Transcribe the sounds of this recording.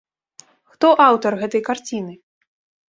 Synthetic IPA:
xt̪ɔʔawt̪ɐrɣɛt̪ɐjkart͡sʲinɨ

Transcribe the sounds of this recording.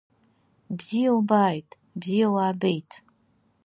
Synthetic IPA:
bzijawbaːjtʼ | bzijawaːbejtʰʼ

